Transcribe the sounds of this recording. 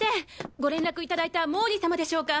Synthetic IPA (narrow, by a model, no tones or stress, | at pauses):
t̪eɡo̞ɾẽ̞nɾakɯ̟it̪ad̪ait̪amo̞ːɲisamad̪e̞ɕo̞ːka